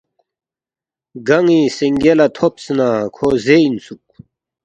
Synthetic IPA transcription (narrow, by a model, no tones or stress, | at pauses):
ɡɐŋisiŋɡelɐt̪ʰopsnaːkʰoːzeinsuk̚